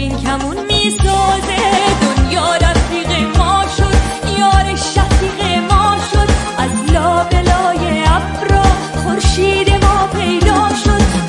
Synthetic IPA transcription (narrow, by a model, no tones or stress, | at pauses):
inkʰæmunmiːsɒːzed̪onjɒːɾæfiːɣe̞mɒːʃo̞d̪ | jɒːɾeʃæfiːɣe̞mɒːʃo̞d̪ | æzlɒːbe̞lɒːjeæfɾɒː | χoɾʃiːd̪e̞mɒːpʰe̞jd̪ɒːʃo̞d̪̥